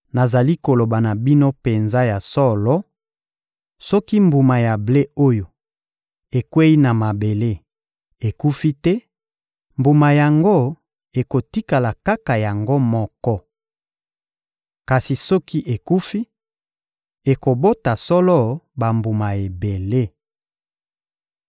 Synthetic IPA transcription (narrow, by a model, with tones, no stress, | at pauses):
na˨za˨li˦ko˨lo˨ba˨na˨bi˦no˦pe˨nza˦ja˨sɔ˦lɔ˦ | sɔ˦ki˦mbu˨ma˨ja˨ble˦o˦jo˨ | e˨kwe˦i˦na˨ma˨be˨le˦ | e˨ku˦fi˦tɛ˦ | mbu˨ma˨ja˨ŋɡo˦ | e˨ko˨ti˦ka˨la˨ka˦ka˨ja˨ŋɡo˦mɔ˦kɔ˦ | ka˨si˨sɔ˦ki˦ʔe˨ku˦fi˦ | e˨ko˨bo˦ta˨sɔ˦lɔ˦ba˨mbu˨ma˨e˨be˨le˦